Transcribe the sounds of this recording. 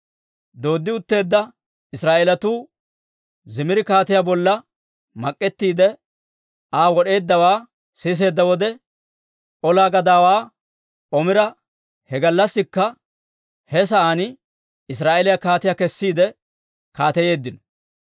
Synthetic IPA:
d̪o̞ːd̪ːɪʊt̪ːe̞ːd̪ːɐ | ɪsɾaːʔelɐt̪uː | zɪmɪɾɪkaːt̪ɪjaːbɔlːɐ | mɐkʼːɛt̪ːiːd̪ɛ | aːwɔɗe̞ːd̪ːɐwaː | siːs̬e̞ːd̪ːɐwɔd̪ɛ | ʔɔlaːɡɐd̪aːwaː | ʔɔmɪɾɐ | hɛɡɐlːɐsːɪkːɐ | hɛs̬ɐʔaːnɪ | ɪs̬ɾaːʔelɪjakaːt̪ɪjakɛsːiːd̪ɛ | kaːt̪ɛje̞ːd̪ːɪnɔ

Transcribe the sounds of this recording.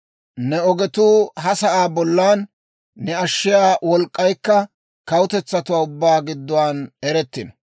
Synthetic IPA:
nɛɔɡɛt̪uːɦɐsɐʔaːbɔlːaːnː | ɛɐʃːɪjaːwɔlkʼːɐjkːɐ | kɐwʊt̪ɛt͡sːɐt̪ʊwaːʊbːaːɡɪd̪ːɔwaːnɛɾɛt̪ːɪnɔ

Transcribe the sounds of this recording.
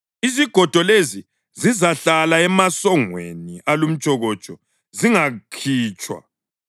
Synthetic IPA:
iziɡ̥ʱɔd̥ʱɔlezi | zizaɬalaɛmasɔŋwḛniʔalum̩t͡ʃʼɔɣɔt͡ʃʼɔ | ziŋakʰiːt͡ʃʼwa̰

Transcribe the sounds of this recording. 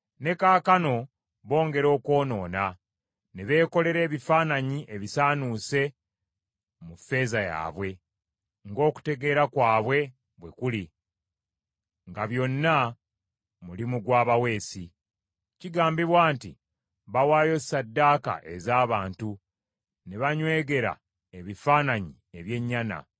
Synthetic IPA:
ne̞kaːkano̞ | βo̞ːŋɡe̞ɾo̞ːko̞ːno̞ːna | neβe̞ːko̞le̞ɾe̞ːβifaːnaɲiʔe̞βisaːnuːse̞ | mufːe̞ːzaja̰ːβwe̞ | ŋɡo̞ːku̥te̞ɡe̞ːɾakwaːβwe̞ | βwe̞̰kuli | ŋɡaβjo̞nːa | mulimuɡwaːβawe̞ːsi | ciɡaːmbiβwaːnti | βawaːjo̞sadːaːka̰ʔe̞̰zaːβaːntu | neβaɲwe̞ːɡe̞ɾa̰ | e̞βifaːnaɲi | e̞βje̞ɲːana̰

